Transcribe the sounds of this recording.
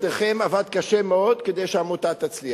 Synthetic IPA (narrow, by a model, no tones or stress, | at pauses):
d̪ʁχemavad̪̚kaʃemeo̞d̪ked̪ejʃeamot̪at̪at͡sli